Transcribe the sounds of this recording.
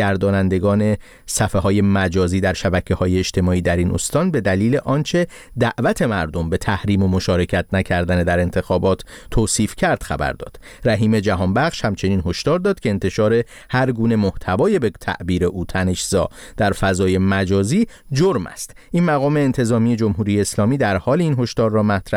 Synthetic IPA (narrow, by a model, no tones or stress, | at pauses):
æɾd̪ɒːnænd̪e̞ɡɒːne̞ | sæfeɦɒːje̞mæd͡ʒɒːziːd̪æɾʃæbæcʰehɒːjeːʃt̪ʰe̞mɒːiːd̪æɾiːnʔo̞̰st̪ɒːnbe̞d̪æliːle̞ʔɒːnt͡ʃʰe̞ | d̪æʔvæt̪ʰe̞mæɾd̪o̞mbe̞t̪ʰæhɾiːmo̞mo̞ʃɒːɾe̞cʰæt̪ʰnæcʰæɾd̪æned̪æɾe̞nt̪ʰe̞xɒːbɒːt̪ʰːoːsiːfcʰæɾd̪̥xæ̰bæ̰ɾd̪ɒ̰ːd̪̥ | ɾæɦiːme̞d͡ʒæɦɒːnbæχʃhæmt͡ʃʰe̞niːnɦo̞ʃt̪ɒːɾd̪ɒːd̪̥̚cʰe̞ːnt̪ʰe̞ʃɒːɾe̞ | hæɾɡuːne̞mo̞ht̪ʰævɒːjebet̪ʰæ̰ʔbiːɾeʔuːt̪ʰæne̞ʃz̥ɒ̰ː | d̪̥æɾfæzɒːje̞mæd͡ʒɒːziːd͡ʒoɾmæ̰st̪ | ʔinmæɣɒːme̞ːnt̪ʰe̞zɒːmije̞d͡ʒo̞mɦuːɾiːjeːslɒːmiːd̪æɾhɒːliinɦoʃt̪ɒːɾːɒːmæt̪ʰɾæ